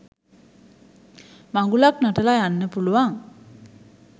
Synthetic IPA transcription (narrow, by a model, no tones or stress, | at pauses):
maŋɡulaknaʈəlajanːəpuluʋaŋ